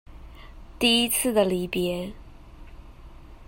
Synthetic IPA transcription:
t̪i˥˩i˥t͡sʰɹ̩˥˩d̪ə˩li˨˩pjɛ˧˥˦

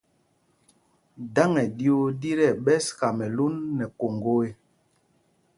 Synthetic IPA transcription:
da˦ŋɛ˨di˦o˦di˦ɾɛ˦˨ɓɛ˦ska˨mɛ˨lu˦nːɛ˨ko˨ŋɡo˦e˦

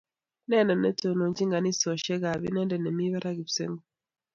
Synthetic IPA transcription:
nɛ˦nɛ˨nɛ̰˦to˨no˨ɲd͡ʒi˦ŋɡa˨ni˦sɔ˨ʃɛ˦ɡa˨βḭ˦nɛ˦ndɛ˨nɛ˨mi˦βa˦ɾa˦ɡi˨βsḛ˦ŋɡo˨

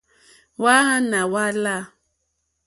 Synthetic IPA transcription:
wa˦ɦa˦na˨wa˦la˦˨

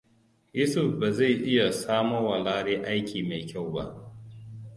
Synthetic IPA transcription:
jʊ˦sʊ˨fba˨za˦˨jʔɪ˦ja˨saː˦mo˦wa˨laː˦ɽeː˦ʔa˦jkʲʰiː˨ma˨jkʲa˦˨wba̰˦˨ʔ

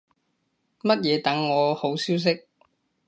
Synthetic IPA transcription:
mɐ˥t̚jɛː˨˧t̪ɐ˨˥ŋːɔː˨˧ho˨˥wsiː˥ws̬ɪ˥k̚

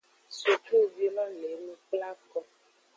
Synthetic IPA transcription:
so˨t͡ʃu˦˨vi˧lɔ˦le˨˦nũ˦k͡pla˦kɔ˦

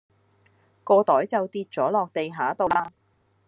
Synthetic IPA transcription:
kɔː˧t̪ɔː˨˥jt͡sɐ˨wt̪iː˧t̚t͡sɔː˨˥lɔː˨k̚t̪e˨jɦaː˨˥t̪o˨˧wlaː˧

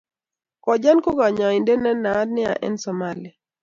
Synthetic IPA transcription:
kɔ˨d͡ʒa˦nko˦ɡa˨ɲa˨ɪ˨ndɛ˦nɛ˦na˨˦dnɪ˦a̰˨ʔɛ̰˦nsɔ˨ma˦lɪ˨a˨

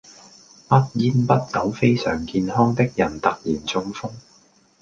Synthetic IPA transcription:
pɐ˥t̚jiː˥npɐ˥t̚kɐ˨˥wfe˥jsœ̰ː˨˩ŋkiː˧nhɔː˥ŋt̪ɪ˥k̚jɐ˨˩nt̪ɐ˨k̚jiː˨˩nt͡sʊ˧ŋfʊ˥ŋ

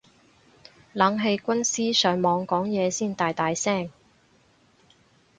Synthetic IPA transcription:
lɐ˨˥ŋɦe˧jkʷɐ˥nsiː˥sœː˨˧ŋmɔː˨˧ŋkɔː˨˥ŋjɛː˨˧siː˥˩nt̪aː˨˧jt̪aː˨˧jsɛː˥˩ŋ

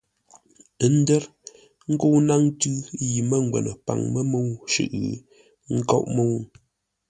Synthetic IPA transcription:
ə˦n̩˦dɛ˦ɾ | ŋ̩˦ko˦na˦ŋ˦tʉ˦ji˨mə˦ŋ˨ɡwɛ̰˨nə˨pa̰˨ŋmə˦mo˦wʃʉ̰˨ʔɣ | ŋ̩˦kɔ̰˦ʔmo˦˨w

